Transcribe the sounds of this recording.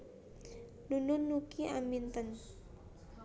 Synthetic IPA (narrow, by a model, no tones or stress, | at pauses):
nunʊnːukia̰mint̪ən